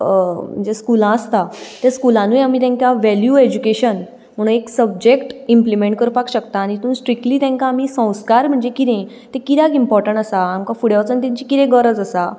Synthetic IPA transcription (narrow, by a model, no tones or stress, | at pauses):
m̤ə̃ɳd͡zd͡ʑeskulãəst̪at̪jaskulãnujam̤it̪ãŋkjaʋæljued͡ʑukeɕən | m̤əɽ̃ũneksəb̚d͡ʑekʈimplimẽɳʈ̚kəɾpakɕəkt̪aːñit̪ũːnsʈɾik̚ʈliːt̪ãŋkãːmisə̃w̃skaɾm̤əɳd͡zekit̪ẽ | t̪ekit̪akimpɔɾʈəɳʈəsaːmkafuɽjawt͡sənt̪ĩɲt͡ɕikit̪ẽɡəɾəd͡zəsa